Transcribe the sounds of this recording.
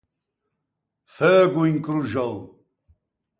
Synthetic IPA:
fɛːɡuiŋkʼɾuʒɐl

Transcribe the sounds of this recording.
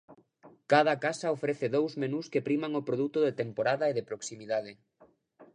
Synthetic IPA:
kaðɐkasaofɾeθɪðowzmenuskepɾimaŋopɾoðut̪ʊðet̪empoɾaðaeðɪpɾoksimiðað̞ɪ

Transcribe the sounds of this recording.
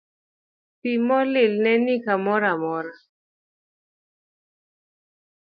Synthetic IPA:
pimɔlɪlnɛnikamɔɾamɔɾa

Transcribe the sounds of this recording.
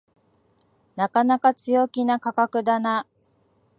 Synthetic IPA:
nakanakat͡sɨjo̞kʲinakakakɯ̟d̪ana

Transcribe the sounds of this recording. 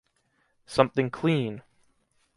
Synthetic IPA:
sʌ̃mθɪ̃ŋkʰl̥ĩn

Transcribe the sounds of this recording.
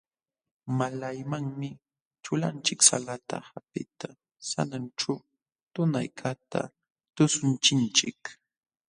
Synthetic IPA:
malajmaŋmɪ | t͡ʃʊlant͡ʃɪksa̰lat̪a̰hapɪt̪a | sa̰nanʈ͡ʂa | t̪ʊna̰jkʰat̪a̰ | t̪ʊsʊnt͡ʃɪnt͡ʃɪk

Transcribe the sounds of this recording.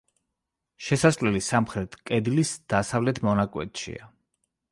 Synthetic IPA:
ʃɛsaslɛlisamχɾɛt̪ʰkʼɛd̪lisd̪̥asavlɛt̪ʰmɔnakʼwɛ̰t̪ʃḭa

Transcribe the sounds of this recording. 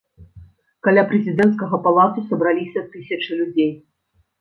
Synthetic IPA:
kalʲapɾɛzʲid̪ɛnt̪skɐɣɐpalˠat̪usɐbɾalʲisʲɐt̪ɨsʲɐt͡ʂɨlʲud͡zʲej

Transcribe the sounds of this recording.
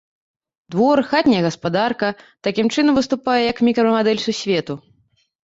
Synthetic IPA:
d̪vɔrxat̪ʲnʲijɐɣɐspad̪arkɐt̪akʲimt͡ʂɨnɐmvɨst̪upajɛjɐkmʲikɾɐmad̪ɛlʲsusʲvʲet̪u

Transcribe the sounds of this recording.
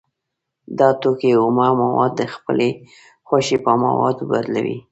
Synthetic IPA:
d̪ɑt̪okeʊmɑmawɑd̪ːəxpəle | xaʃepəma̰wɑ̰d̪bad̪la̰wḭ

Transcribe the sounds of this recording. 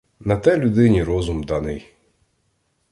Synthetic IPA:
nɐt̪ɛlʲud̪ɪnʲiɾɔzʊmd̪ɑnɪj

